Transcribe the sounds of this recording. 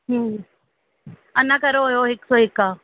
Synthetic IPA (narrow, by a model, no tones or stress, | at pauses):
ɦə̃ː | ɐnakɐɾoɦojoɦɪksɔːɦɪkːaː